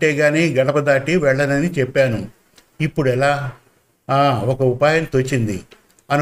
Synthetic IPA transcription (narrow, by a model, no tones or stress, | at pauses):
ʈɛːɡaːniːɡɐɽɐpɐd̪aːʈiʋɛɭːɐnɐnit͡ʃɛpːaːnu | ipːuɽuɛlaː | aːɔkɐupaːjɐnt̪ot͡ʃːind̪ḭ | ɐnu